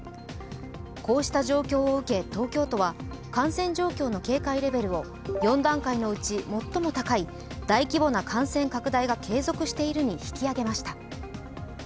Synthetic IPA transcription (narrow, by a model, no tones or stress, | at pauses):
ko̞ːɕi̥t̪aʑo̞ːkʲo̞ːɯ̟ke̞t̪o̞ːkʲo̞ːt̪o̞βa | kãɰ̃sẽ̞ɲ̟d͡ʑo̞ːkʲo̞ːno̞ke̞ːkaiɾe̞be̞ɾɯ̟o̞ | jõ̞nd̪ãŋkaino̞ɯ̟t͡ɕimo̞t̪ːo̞mo̞t̪akai | d̪̥aikʲibo̞nakʰãɰ̃sẽ̞ŋkakɯ̟d̪aiɡakʰe̞ːzokɯ̟ɕi̥t̪e̞iɾɯ̟ɲ̟içi̥kʲiaɡe̞maɕi̥t̪a